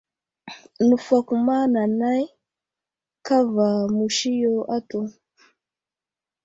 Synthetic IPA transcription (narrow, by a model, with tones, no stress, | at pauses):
nu˨fa˨ku˨ma˦na˨na˦i˦ | ka˦va˨mu˨ʃi˦jɔ˦ʔa˦tu˦